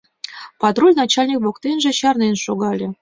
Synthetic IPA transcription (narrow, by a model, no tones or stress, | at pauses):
pɑt̪rolʲnɑt͡ɕalʲnʲik̚bokt̪enʒĕɕɑrnenʃoɡɑlʲĕ